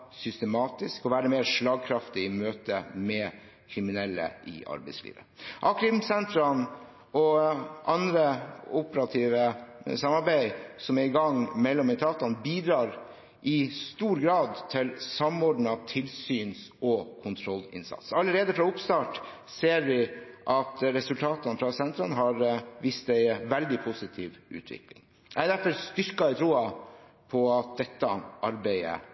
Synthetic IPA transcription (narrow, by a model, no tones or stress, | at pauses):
sʏst̪əmɑːt̪ɪskɔʋæːɾəmeːɾʂlɑːɡ̚kʰɾɑft̪ɪɪmøːt̪ə̰mɛ | kʰɾɪmɪnɛlːə̰ʔɪ̰ʔɑ̰ɾbæɪslḭːʋə | ʔɑːkɾɪmsɛnt̪ɾɑn | ɔʔɑnd̪ɾəʊpəɾɑt̪ʰiːʋəsɑmɑɾbæɪsɔmæɪɡɑŋmɛlːɔmɪt̪ʰɑːt̪ɑnbiːd̪ɾɑːɾ | ʔɪst̪uːɾɡɾɑːd̪t̪ʰɪlsɑmɔɖɳ̩ɑt̪ʰɪlsyːnsɔkʰʊnt̪ʰɾɔlːɪ̰nsɑ̰t̪sɑlːəɾeːd̪əfɾɑʊpst̪ɑːʈ | seːɾʋɪʔɑt̪ɾɛsʉlt̪ʰɑːt̪ɑnfɾɑsɛnt̪ɾɑnɦɑɾʋiːst̪æɪʋɛld̪ɪpʰusɪt̪ʰḭːʋʉ̰ːt̪ʰʋɪ̰klɪ̰ŋ | æd̪æɾfɔɾst̪ʏɾkɑæɪt̪ʰɾuːɑ | pʰɔɑt̪̚d̪ɛt̪ːəʔɑɾbæɪə̰